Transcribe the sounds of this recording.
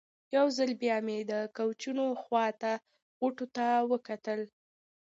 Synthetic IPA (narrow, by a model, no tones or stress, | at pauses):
jawzalbjɑmed̪əkawt͡ʃunoxwɑt̪a | ɣʊʈot̪awəkat̪əl